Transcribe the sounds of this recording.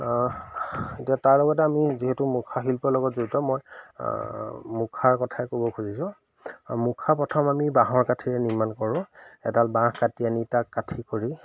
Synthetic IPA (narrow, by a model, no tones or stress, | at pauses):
etiataɹlɔɡɔtɛamiziɦetumukʰaɦilpɔlɔɡɔtzoɹitɔmoj̰ | mukʰaɹkɔtʰaɛkobɔkʰuzisʊ̃ | mukʰapɔtʰɔmamibaɦɔɹkatʰiɹɛniɹmankɔɹʊ̃ɛtalbãxkatijanitakːatʰikoɹi